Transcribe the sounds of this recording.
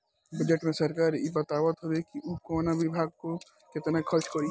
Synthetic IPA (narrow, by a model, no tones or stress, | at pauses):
bɐd͡ʒeʈmẽsɐɾkaːɾjebɐt̪aːʋət̪ɦowekiʔukoːnaʋɪbʱaːɡ̚ko | kɪt̪nekʰəɾt͡ʃkɔɾi